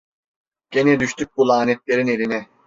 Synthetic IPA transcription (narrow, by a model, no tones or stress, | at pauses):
ɟ̥enɛd̪yʃt̪ʰyc̚bulˠaːnet̪lʲe̞ɾine̞lʲinɛ